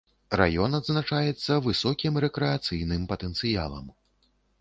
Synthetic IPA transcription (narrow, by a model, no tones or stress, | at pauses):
ra̰jɔnɐd̪znat͡ʂajɛt̪sːɐvɨsɔkʲimɾɛkɾɛat̪sɨjnɨmpɐt̪ɛnt̪sɨja̰lˠɐ̰m